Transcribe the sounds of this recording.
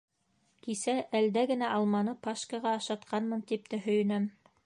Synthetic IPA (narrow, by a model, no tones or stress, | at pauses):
kisæʔæld̪æɡɘ̆næʔɑlˠmɑnɤpɑʃkɑʁɑːʃɑt̪qɑnmɤnt̪ip̚t̪æɦɵ̆jɘ̆næm